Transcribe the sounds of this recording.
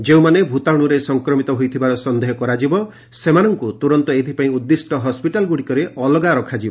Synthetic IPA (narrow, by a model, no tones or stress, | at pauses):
d͡ʒeũmanebʱut̪aɽ̃uɾesɔŋkɾɔmit̪ɔɦojt̪ʰibaɾɔsɔnd̪eɦɔkɔɾad͡ʒibɔ | semanɔŋkut̪uɾɔnt̪ɔet̪ʰipaĩud̪ːisʈɔɦɔspiʈalɡuɽikɔɾeɔlɔɡaɾɔkʰad͡ʒibɔ